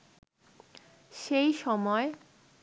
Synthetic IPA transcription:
ʃejʃɔmɔe

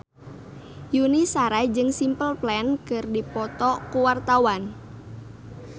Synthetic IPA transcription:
junisaɾad͡ʒɨŋsimpəlplɛnkɨrdipɔt̪ɔkuwart̪awan

